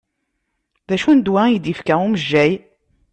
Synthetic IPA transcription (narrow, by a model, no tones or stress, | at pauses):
ðæʃund̪wæid̪ifkæuməʒːæj